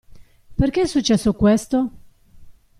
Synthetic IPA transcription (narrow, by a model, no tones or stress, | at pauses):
perkeɛsːut͡ʃːɛsːokwest̪o